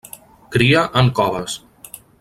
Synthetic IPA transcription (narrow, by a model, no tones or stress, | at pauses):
kɾiəʔəŋkɔβəs